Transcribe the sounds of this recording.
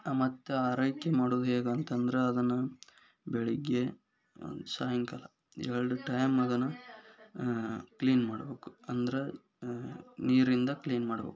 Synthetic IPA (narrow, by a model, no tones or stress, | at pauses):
amɐt̪ːeaːɾɐjkemaːɽoːd̪uɦeːɡɐːnt̪ɐnd̪ɐɾeɐd̪ɐnːu | beɭiɡːe | saːjɐŋkɐlɐ | ɛɭɖuʈɐjmɐd̪ɐnːɐ | kliːnmaːɽɐbeːku̥ɐnd̪ɐɾe | niːɾind̪ɐkliːnmaːɽɐbḛːku̥